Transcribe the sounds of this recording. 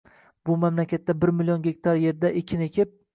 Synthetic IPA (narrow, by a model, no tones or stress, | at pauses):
bʊmamlakʲʰat̪ːabɪɾmɪljɒnɡʲe̞k̚ʲt̪ʰaɾje̞ɾd̪aʔekʲʰːɪne̞kʲʰɪp̚